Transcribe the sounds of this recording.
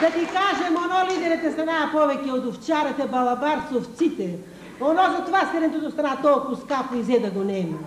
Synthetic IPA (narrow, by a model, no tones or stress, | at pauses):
d̪ɐt̪ikaʒɛmonɔlid̪ɛɾɛt̪ɛst̪ɾanapɔvɛcʲɛod̪oft͡ʃaɾɐt̪ɛbɐlˠɐbaɾsoft̪sit̪ɛ | onɔzɐt̪ovast̪ɛɾɛnt̪ut̪ost̪ɾanat̪ɔlˠkʊskapoizɛd̪ɐɡonɛmɛ